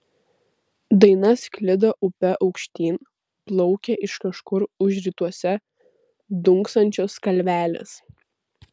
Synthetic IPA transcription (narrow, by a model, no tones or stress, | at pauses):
d̪ɐɪnɐskʲlʲɪd̪oʔʊpʲɛʔɒʊkʃʲt̪ʲiːn | plˠɔʊkʲɛʔɪʃkɐʃkʊɾʊʒʲɾʲiːt̪uɔsʲɛ | d̪ʊŋksɐnʲt͡ʃʲoskɐlʲʋʲæːlʲḛːs